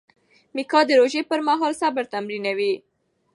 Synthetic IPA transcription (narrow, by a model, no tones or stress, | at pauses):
mikɑd̪əɾoʒepəɾmɑɦɑlsabaɾt̪amɾinawi